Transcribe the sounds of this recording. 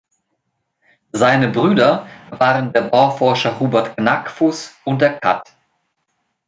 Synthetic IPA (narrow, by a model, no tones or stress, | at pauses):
zaɪnəbʁyːdɐvaːʁəndeːɐbaʊfɔɐʃɐhuːbɛɐtɡnakfʊsʊnt̚d̥eːɐkʰa̰t